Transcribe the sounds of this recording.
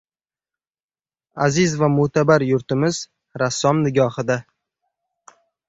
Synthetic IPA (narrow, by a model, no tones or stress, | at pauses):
azɪzvamʊt̪ʰabaɾjʊɾt̪ɪmɪz | ɾasːɒmnɪɡʲɒhɪd̪a